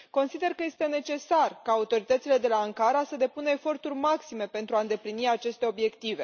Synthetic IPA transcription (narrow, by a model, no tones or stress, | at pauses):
ko̞nsid̪e̞rkəje̞st̪e̞ne̞t͡ʃe̞sarkaːut̪o̞ɾit̪ət̪sile̞d̪e̞laəŋkaɾasəd̪e̞punəefo̞rt̪urʲmaksime̞pe̞nt̪ɾuaɨnd̪e̞pliniat͡ʃe̞st̪e̞o̞bje̞kt̪ive̞